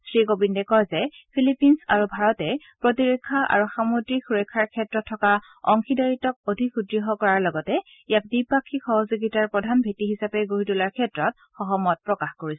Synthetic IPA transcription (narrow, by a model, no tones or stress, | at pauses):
sɹikobindɛkɔjzɛpʰilipinsa̰ɹubʱaɹɔtɛ | pɹotiɹekʰːaʔa̰ɹuxamodɹixuɹɔjkʰːaɹkʰɛtɹɔtʰːɔka | ɔŋxidaɹitɔk̚odʱikudɹiɦɔkɔɹaɹlɔɡɔtɛ | ijak̚dipakʰːixɔɦɔzuɡitaɹpɹɔdʱanbʱetiɦisapɛɡoɦitulaɹkʰɛtɹɔt | xɔɦɔmɔt̚pɹɔkaxkoɹisɛ